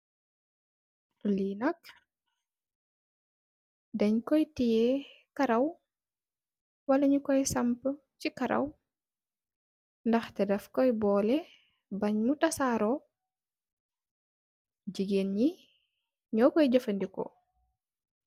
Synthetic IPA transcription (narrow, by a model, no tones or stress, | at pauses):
linɐk̚ | dɐɲkɔjtijɛ | kaɾɐw | wɐlɐɲukɔjsɐmpə | t͡ʃikɐɾʔɐ̰w | ndɐxtɛdɐfkɔjbɔːlɛ | bɐɲmutɐsaːɾɔ | d͡ʒiɡenɲi | ɲɔkɔjɟɐfəndikɔ̰